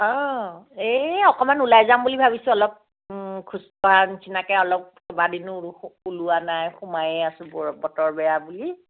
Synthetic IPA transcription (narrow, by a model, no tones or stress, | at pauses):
ɔ | eɔkɔmanulajzambulibʱabisʊ̃ɔlɔp̚ | kʰustɔanisʰinakɛɔlɔp̚sɔbadinʊuluanajxumajɛasʊ̃bɔbɔtɔɹbɛjabuli